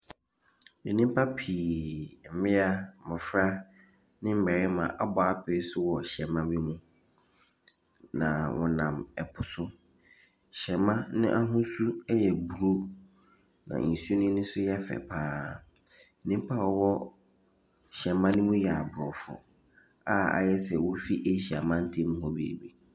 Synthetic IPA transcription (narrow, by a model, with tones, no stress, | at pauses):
e˨nĩ˦m˦pʰa˦pʰiː˨m̩˨mɪ̃˦a˦mɪ̃˨fɾa˦ | nɪ̃˦m̩˦bɛ˨ɾɪ˦mã̰˨ʔa˦bɔ˨a˦pʰɪ˨ɾɪ˦sʊ˦wɔ˨ɕɛ˨mã˦bi˦mũ˦ | nã̰˨wʔɔ̰̃˨nã˨mɛ˨pʰʊ˨sʊ˦ | ɕɛ˨mã˦nɪ̰̃˦ʔa˦ɦʊ̃˦su˦jɛ˨bu˨ɾu˦ | nã̰˨n̩˨su˦o˦nɪ̃˦nɪ̃˦sʊ˦jɛ˦fɛ̰˨pʰaː˦ | nĩ˦m˦pʰa˦˨ɔ˨wɔ˦ | ɕɛ˨mã˦nʊ̃˦mũ˦jɛ˨a˨bʊ˨ɾɔ˨fʊ̰˨ | a˦a̰˨jɛ˦sɛ˨wʊ˦fi˦ʔe˦ɕi˨a̰˨mã˦n̩˦tʰi˦mũ˦hɔ̃˦bḭ˨bi˨